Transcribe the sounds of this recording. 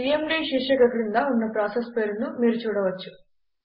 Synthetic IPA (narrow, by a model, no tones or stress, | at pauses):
iːemɖiːʃiʂɐkɐkɾind̪aːunːɐpɾaːsespeːɾnumiːɾut͡ʃuːɽɐʋɐt͡ʃːu